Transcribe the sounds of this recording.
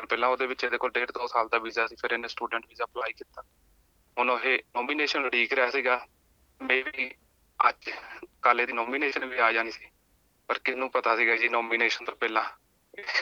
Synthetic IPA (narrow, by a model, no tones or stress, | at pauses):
əpɛːlãːoːd̪eːʋɪt͡ʃed̪eːkoːlɖeːɽd̪oːsaːld̪aːbiːzaːsiːpʰɪɾɪnẽːsʈuːɖə̃ɳʈbiːzaːplaːiːkiːt̪aː | ɦʊnõːɦeːnɔːmiːneːʃənləɽiːkɾɛaːsiːɡaː | mɛ̃ːʋiː | ə̰d͡ʒkaːlẽːd̪iːnɔːmiːneːʃənʋiːaːd͡ʒaːniːsiː | pəɾkɪnũːpət̪aːsiːɡaːd͡ʒiːnɔːmiːneːʃənt̪oːpɛːlãː | ɪ